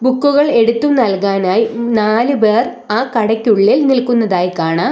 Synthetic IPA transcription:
bukːuɣɐɭe̞ɽut̪ːumnɐlkaːnaːjinaːlɨbeːr | aːkɐɽɐkʲːuɭːilnilkunːɐðaːjkaːɳaː

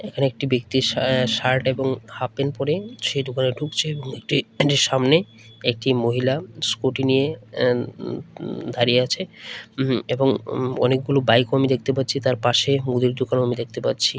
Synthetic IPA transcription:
ekʰaneek̚ʈibek̚t̪iʃaɾʈeboŋhapenpɔɾeʃejd̪okaneɖʱukt͡ɕʰeeboŋek̚ʈiɖiɾʃamne | ek̚ʈimoɦilaskoʈinije | d̪ʱaɾijeat͡ɕʰe | eboŋɔ̰nek̚ɡulobajkoamid̪ek̚t̪epat̪ːt͡ɕʰit̪aɾpaʃemud̪iɾd̪okanoamid̪ek̚t̪epat̪ːt͡ɕʰi

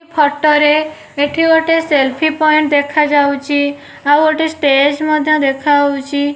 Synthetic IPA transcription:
pʰɔʈːɔɾe | eʈʰioʈeselpʰipɔjɳʈ̚d̪ekʰad͡ʒawt͡ʃʰi | awoʈesʈed͡ʒmɔd̪ʱjɔd̪ekʰawt͡ʃʰi

